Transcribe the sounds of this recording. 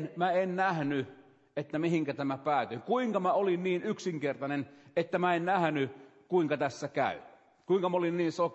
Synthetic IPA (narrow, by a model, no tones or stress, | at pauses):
nmæennæhny | et̪ːæmihiŋkæt̪æmæpæːt̪yiŋkuiŋkɑmæolinniːnyksiŋkert̪ɑnenet̪ːæmæennæhny | kuiŋkɑt̪æsːækæ̰ˑy | kuiŋkɑmolinniːnso